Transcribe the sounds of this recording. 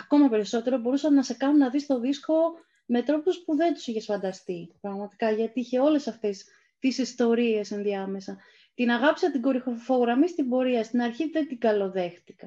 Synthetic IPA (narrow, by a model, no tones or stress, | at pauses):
ɐko̞mɐpe̞ɾiso̞t̪e̞ɾo̞bo̞ɾusɐmnɐse̞kɐnunɐðist̪o̞ðisko̞ | me̞t̪ɾo̞puspuðe̞nt̪u̥siçe̞sfɐnd̪ɐst̪ipɾɐɣmɐt̪i̥kɐʝɐt̪iiçe̞o̞le̞sɐft̪es | t̪isist̪o̞ɾie̞se̞nðiɐme̞sɐ | t̪inɐɣɐpi̥sɐt̪iɡo̞ɾixofo̞ɣɾɐmist̪ibo̞ɾiɐst̪inɐɾçiðe̞t̪iɡɐlo̞ðe̞xt̪ikɐ